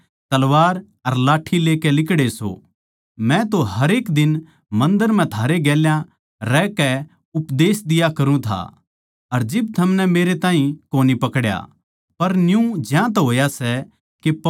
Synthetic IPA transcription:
t̪ɐlʋaːɾ | ɐɾlaːʈʰileːkɛlɪkɽeso̰ | mɛ̃t̪oɦɐɾeːkd̪ɪn | mɐ̃nd̪əɾm̤ɛ̃t̪ʰaːɾeɡɛːljã | ɾɛkɛ | ʊpd̪eːsd̪ɪjakɐɾũt̪ʰa̰ | ɐɾd͡ʒɪbt̪ʰɐmnɛmeːɾet̪ãːɦĩkoːnipɐkɽja̰ | pɐɾnjũd͡ʒjãt̪̬ɦoːjasɛ | kep

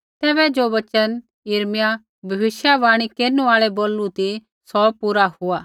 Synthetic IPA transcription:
t̪ɛːβɛd͡ʒoːʋɐt͡ʃən | ɪɾmɪja | bʱɐʋɪʃjaʋaːɽ̃ikeːɾnũaːɭɛboːlũt̪i | sɔpuːɾahʊaː

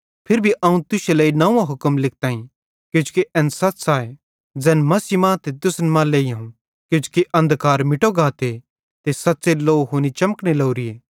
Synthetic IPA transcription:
pʰɪɾbʱiʔɐũt̪ʊʃeleːinɐũːãɦʊkəmlɪk̚ʰt̪aːĩ | kɪd͡ʒ̥keʔɛnsɐt̪saːe | d͡ʒɛːnmɐsimãːt̪et̪ʊsnmãːleːiɦãːũ | kʊd͡ʒu̥kiʔɐ̃nd̪kaːɾmɪʈoɡaːt̪e | t̪esɐt̪ːseloːɦoːnit͡ʃɐməkneloːɾɪjeː

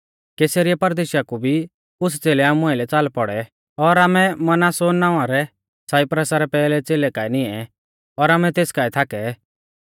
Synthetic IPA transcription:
keːsəɾɪɛpɐɾd̪eːʃjakubʱi | ʊs̬t͡seːlɛaːmʊ̃aɪlɛt͡saːlpɔɽɛ | ɔɾaːmɛmɐnaːsoːnːaːʊ̃ãɾɛ | saːipɾəsaɾɛpɛːlɛt͡seːlɛkaːinɪɛ | ɔɾaːmɛt̪eːskaːit̪ʰaːkɛ

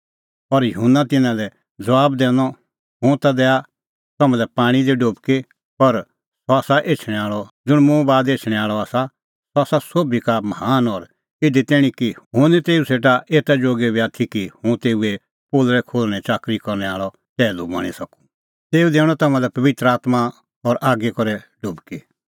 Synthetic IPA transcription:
ɔɾjɐɦʊnːat̪ɪnãlɛ | d͡zɐʋaːbd̪ɛ̃ːɽɔ | ɦʊ̃t̪ad̪ɛːa | t̪ɐmãlɛpãːɽ̃id̪iɖoːbke | ɔɾ | sɔaːsaʔeːt͡ʃʰɽ̃ɛ̃aːɭɔd͡ʒʊɽ̃mʊ̃baːd̪eːt͡ʃʰɽ̃ɛ̃aːɭɔaːsa | sɔaːsasoːbikamɐhaːnɔɾ | ɪd̪it̪ɛːɽ̃ĩkiɦʊ̃d̪it̪eːuseːʈaʔeːt̪ad͡ʒoːɡɛbiaːt̪ʰikihʊ̃t̪eːue | poːlɾɛkʰoːlɽ̃ɛ̃t͡ʃaːkɾikɔɾñɛaːɭɔ | t̪ɛːlubɐ̰ɽ̃isɐku̥ | t̪eːud̪eːɽ̃ɔt̪ɐmãlɛpɐʋɪt̪ɾəaːt̪ma | ɔɾʔaːɡekɔɾɛ | ɖʊbke

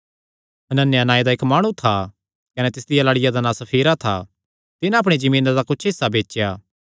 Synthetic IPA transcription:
ɐnənːjanaːed̪aɪkmaːɽ̃ũt̪ʰa | kɐnɛt̪ɪsd̪ɪjalaːɽɪjad̪anãːsɐpʰiːɾat̪ʰa̰ | t̪ɪnãɐpɽ̃ed͡ʒɐmĩːnad̪akʊt͡ʃʰɦɪsːabeːt͡ʃjaː

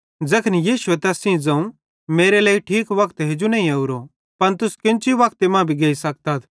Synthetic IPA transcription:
d͡zɐkʰənjiːʃuet̪ɛɐsĩd͡zɐ̃ũ | meːɾelɐːiʈʰiːkʋɐkt̪ɦed͡ʒunɐ̃ːĩɐuɾo | pɐnt̪ʊskɪ̃nt͡ʃiʋɐkt̪emãːbʱiɡeːisɐk̚t̪at̪ʰ

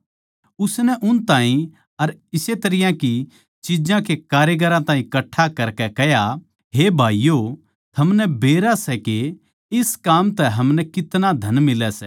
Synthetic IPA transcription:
ʊsnɛʔʊnt̪aːĩ | ɐɾɪset̪ɐɾɪjãki | t͡ʃid͡ʒãkekaːɾjeɡəɾãt̪aːɦĩkɐʈʰːakɐɾkɛkɛɦja | ɦeːbʱaːijo | t̪ʰɐmnɛbeːɾasɛke | ɪskaːmt̪ɛɦɐmnɛkɪt̪nad̪ʱɐnmɪlɛsɛ

